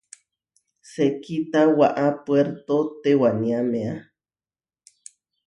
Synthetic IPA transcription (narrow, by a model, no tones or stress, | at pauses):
sekit̪awaʔapweɾt̪ot̪ewaniamea